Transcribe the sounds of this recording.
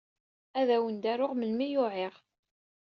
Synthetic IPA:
æðæwənd̪æɾʊʁməlmijʊʕɪʁ

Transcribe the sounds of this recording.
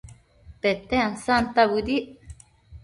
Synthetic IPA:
pet̪eansant̪aβud̪iʔ

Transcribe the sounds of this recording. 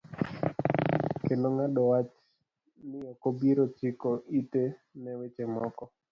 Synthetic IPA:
kenoŋadɔwat͡ʃ | nɪɔkobiɾot͡ʃikoʔit̪enɛwet͡ʃɛmɔkɔ

